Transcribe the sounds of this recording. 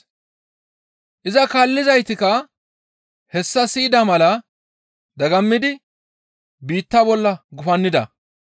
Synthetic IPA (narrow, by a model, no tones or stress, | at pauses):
ʔɪzɐkaːlːɪzɐjt̪ɪkɐ | hɛsːɐsɪːd̪ɐmɐlɐ | d̪ɐɡɐmːɪd̪ɪ | biːt̪ːɐbɔlːɐɡʊfɐnːɪd̪ɐ̰